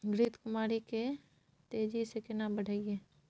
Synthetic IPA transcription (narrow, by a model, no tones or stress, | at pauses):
ɡɾiːt̪kʊmaːɾike | t̪eːd͡ʒisekɪnabəɽ̤ʱaːieː